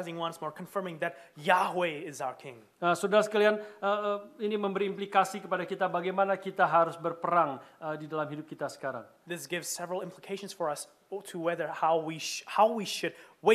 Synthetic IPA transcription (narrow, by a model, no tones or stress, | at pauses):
zɪ̃ŋwʌ̃nsmɔɹkʰə̃ɱfɜ˞mɪ̃ŋðɨt̚ | jahweɪzaʊə˞kʰɪ̃ŋ | əsudaɾasə̥kalianəiniməmbəɾiːmplikasikəpadakit̪abaɡajmanakit̪aɦaɾʊsbərpəɾaŋədidalamɦidʊp̚kit̪asə̥kaɾa̰ŋ | ðɪsɡ̥ɪvz̥sɛvɹl̩ˠɪ̃mpləkʰeɪʃə̃nz̥fə˞ʌs | tʰəwɛðə˞haʊwihaʊwiʃɨd̚we